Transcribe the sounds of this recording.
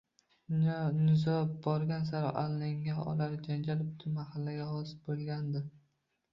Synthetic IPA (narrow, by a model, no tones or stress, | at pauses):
nnɪzɒbɒɾɡʲans̬aɾɒʔalnɪŋːaɒ̰laɾd͡ʒand͡ʒalɪbt̪ʰʊmahalːaɡʲahɒsɪ̥bolˠɡʲand̪ɪ